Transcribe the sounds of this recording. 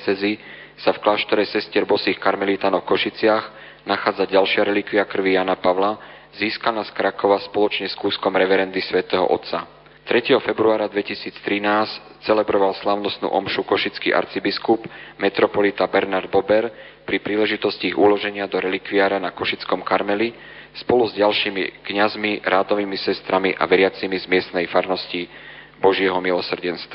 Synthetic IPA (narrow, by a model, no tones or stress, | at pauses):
t͡sɛzi | safklaːʃt̪ɔɾɛsɛscɪɛɾbɔsiːxkaɾmɛlit̪aːnɔfkɔʃit͡sɪaɣ | naxaːd͡zaɟalʃɪaɾɛlikʋiakr̩ʋijaːnapaʋla | ziːskanaskɾakɔʋaspɔlɔt͡ʃɲɛskuːskɔmɾɛʋɛɾɛnd̪isʋɛt̪ɛɦɔ̰ʔɔ̰t̪t͡sa̰ | t̪ɾɛcɛɦɔfɛbɾuaːɾad̪ʋɛcisiːt͡st̪ɾinaːs | t͡sɛlɛbɾɔʋalslaʊnɔst̪nṵːʔɔmʃukɔʃit͡skḭʔa̰ɾt͡sibiskubmɛt̪ɾɔpɔlit̪abɛɾnaɾd̪̚bɔbɛɾ | pɾipɾiːlɛʒit̪ɔsciiɣulɔʒɛɲɪad̪ɔɾɛlikʋiaːɾanakɔʃit͡skɔmkaɾmɛli | spɔluzɟalʃiːmḭkɲazmiɾaːd̪ɔʋimisɛst̪ɾamiʔa̰ʋɛɾɪat͡simizmɪɛst̪nɛjfaɾnɔsci | bɔʒɪɛɦɔmilɔsr̩ɟɛnst̪ʋa